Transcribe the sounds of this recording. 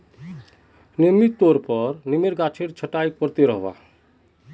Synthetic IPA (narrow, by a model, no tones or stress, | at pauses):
nemit̪ːoɾpəɾnimeɾɡat͡ʃʰeɾt͡ʃʰəʈajpəɾt̪eɾəɦba̰